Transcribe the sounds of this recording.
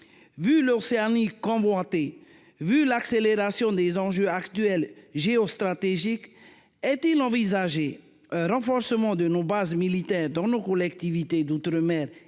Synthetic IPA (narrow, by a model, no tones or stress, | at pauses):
vyloseanikɔ̃vwɛ̃t̪e | vylakseleʁasjɔ̃d̪ezɑ̃ʒøakt̪ɥɛlʒeɔst̪χat̪eʒik | ɛt̪ilɑ̃vizaʒe | ɛ̃ʁɑ̃fɔʁsəmɑ̃d̪ənobazmilit̪ɛʁd̪ɑ̃nokɔlɛkt̪ivit̪ed̪ut̪ɾəmɛːʁ